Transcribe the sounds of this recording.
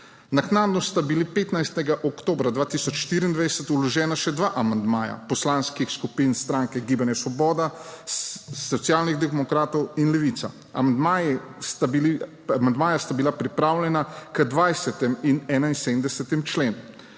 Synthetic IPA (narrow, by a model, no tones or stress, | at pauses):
naknaːd̪nɔst̪abilipeːt̪najst̪ɛɡaʔɔkt̪oːbɾad̪ʋaːt̪isɔt͡ʃʃt̪iːɾiːnd̪ʋajsɛt̪ulɔʒɛːnaʃɛd̪ʋaʔamand̪maːja̰pɔslanskixskupinst̪ɾaːŋkɛɡiːbanjɛsʋɔbɔːd̪a | sɔt̪sijaːlniɣd̪ɛmɔkɾaːt̪ɔwinlɛʋit̪sa̰ | a̰mand̪maj | st̪aii | amand̪maːjast̪abilapɾipɾaːwlʲɛnakəd̪ʋajsɛt̪ɛminɛːnainsed̪md̪ɛsɛt̪imt͡ʃleːnu